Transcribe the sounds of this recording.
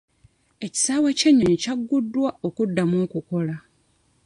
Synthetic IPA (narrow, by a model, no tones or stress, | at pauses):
e̞ci̥saːweceɲːoɲicaɡːudːwaʔo̞kudːamuŋkuko̞la